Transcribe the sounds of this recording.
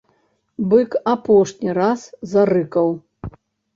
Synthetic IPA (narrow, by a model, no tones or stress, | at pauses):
bɨkapɔʂnʲiɾaszaɾɨkɐw